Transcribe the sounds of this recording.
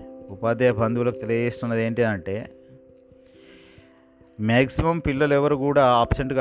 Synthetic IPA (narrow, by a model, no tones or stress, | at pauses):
upaːd̪ejɐbʱɐnd̪uʋulɐkut̪e̞lijɐd͡ʒeːst̪unːɐd̪e̞ːɳʈid̪ɐɳʈe̞ː | maːksimɐmpilːɐlɛʋɐɾukuːɽaːaːpseɳʈɡa